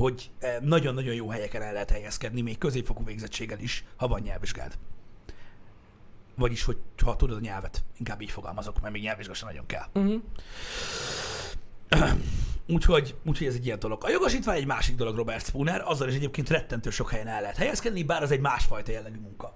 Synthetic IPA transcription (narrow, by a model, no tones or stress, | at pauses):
ho̞ɟ | nɒɟo̞nːɒɟo̞jjoːɦɛjɛkɛnɛlːɛɦɛt̪hɛjɛskɛd̪nimeːkkøzeːpfokuveːɡzɛt͡ʃːeːɡɛliʃhɒvɒɲːɛlviʒɡa̰ːd̪ | vɒɟiʃhoɟhɒt̪ud̪ɒd̪ɒɲɛlvɛt̪iŋkaːbːiːcfo̞ɡɒ̰lmɒzokmɛrmeːɡɲɛlviʒɡɑʃɛn̰ɟo̞̰ŋkɛ̰l | uːcho̞ɟuːcʰhoɟɛzɛɟːijɛnd̪olo̞ɡɒjoɡoʃiːt̪vaːɲɛɟmaːʃiɡ̚d̪o̞lo̞ɡro̞bɛrt̪spunɛɾɒzːɒliʃ̬ɛɟeːp̚keːnt̪rɛt̪ːɛnt̪øːʃo̞khɛjɛnɛlːɛɦɛt̪hɛjɛskɛd̪nibaːɾɒzɛɟmaːʃfɒjt̪ɒjɛlːɛɡymuŋkɒ